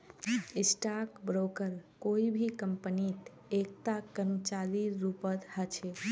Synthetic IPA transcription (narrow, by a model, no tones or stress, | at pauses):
isʈakbɾokəɾkoibʱikəmpənit̪ | ek̚t̪akəɾmət͡ʃaɾiɾupət̪hət͡ʃʰe